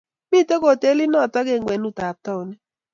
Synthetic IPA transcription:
mi˦˨to˦ko˨te˦li˦nɔ˦˨tɔ˦ɡe˦˨ŋɡwɛ˨nu˦˨ta˨tɔ˦˨nɛ˦

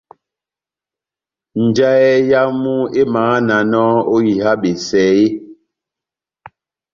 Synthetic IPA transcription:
n̩˨d͡ʒa˦ɛ˦ja˦mu˦e˦ma˨˦a˦na˨nɔ˦o˦ji˨ha˦ɓe˨sɛ˨˦je˦

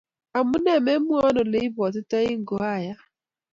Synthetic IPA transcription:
a˨mʊ˦ne˦˨me˦m̩˦ʊ˦ɔ˦nʊ˨le˦i˦bɔ˨t̬ʊ˦te˦ɣɪ˦ŋ̩˨ɡo˨ɦa˦˨ja˦

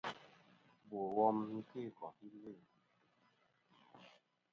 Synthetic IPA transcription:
bo˨wɔ˦mŋ̩˦ke˦˨kɔ˨ʔi˦le˦˨

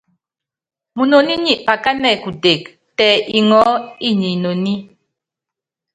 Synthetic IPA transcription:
mu˨no˨ni˦ɲi˨ʔpa˨ka˦nɛ˦˨ku˨te˨k̚ | tɛ˨i˨ŋɔ˨˦i˦˨ɲi˨no˨ni˦

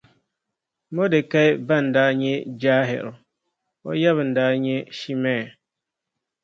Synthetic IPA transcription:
mo˦de˨ka˦ɪ˦ba˦˨n˨daː˦ɲɛ˦d͡ʒaː˦ɦɪ̰˨ɾʊ˨ | o̰˦ja˦βɨ˨n̩˨daː˦ɲɛ˦ʃi˦mɛː˦˨

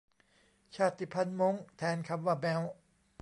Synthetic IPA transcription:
t͡ɕʰaː˧˩t̪ːi˨˩pʰa˧˥nmo˦˥ŋt̪ʰɛː˨˦˥nkʰa˧mwaː˧˩mɛ˧˦w

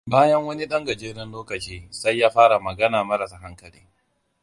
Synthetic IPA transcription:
baː˦jɐ˦ŋwɐ˦ni˦ɗɐ˦ŋɡɐ˨d͡ʒeː˦ɽɐ˦nloː˦kɐ˨t͡ʃiː˦sa˦jːaː˦ɸaː˦ɽa˨mɐ˨ɡɐ˦naː˨mɐ˦ɾɐ˨saː˨ɦa˦ŋkɐ˨lḭː˦

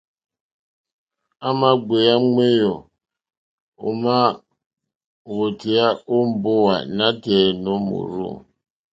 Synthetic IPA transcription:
a˦ma˦ɡ͡be˨ja˦ŋ͡me˦jo˨ | ʊ˨ma˦ | wo˨ti˨ja˦o˦m̩˦˨bʊ˦wa̰˨na˦te˨no˦mṵ˨ɾṵ˦

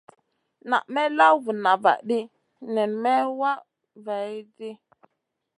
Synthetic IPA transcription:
na̰˨ʔmɛ˦la˦wvu˨na˨va̰˨ɗi˦ | nɛ˨nmɛ˦wa˦ | va˨i˦di˦

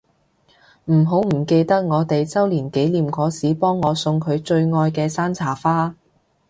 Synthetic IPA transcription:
m̩˨˩ɦo˨˥wm̩˨˩ke˧jt̪ɐ˥k̚ŋɔː˨˧t̪e˨jt͡sɐ˥wliː˨˩nke˨˥jliː˨mkɔː˨˥siː˨˥pɔː˥ŋːɔː˨˧sʊ˧ŋkʰɵ˨˧ɥt͡ʃɵ˧ɥŋɔː˧jkɛː˧saː˥nt͡sʰaː˨˩faː˥

